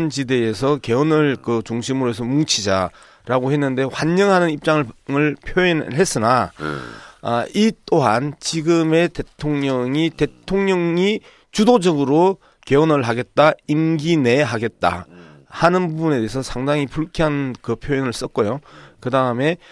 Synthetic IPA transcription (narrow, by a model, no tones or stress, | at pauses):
nt͡ɕide̞ːsʰʌke̞onɯɭkɯt͡ɕuŋɕʰimɯɾoes̬ʰʌmuŋt͡ɕʰid͡ʑa | ɾaɡoɦe̞nːɯnde̞ɸwaɲːʌŋɦanɯnip̚t͡ɕ͈aŋɯɭŋɯɭpʰjoinɦe̞s͈ɯna | it͈oɦant͡ɕiɡɯme̞te̞tʰoŋɲʌŋite̞tʰoŋɲʌŋi | t͡ɕudod͡ʑʌɡɯɾo | ke̞onɯɭɦaɡe̞t̚t͈ainɡine̞ɦaɡe̞t̚t͈a̰ | hanɯnbubune̞de̞ɦesʰʌsʰaŋdaŋipuɭkʰiɦanɯnkɯpʰjoinɯɭs͈ʌt̚k͈ojokɯdaɯme̞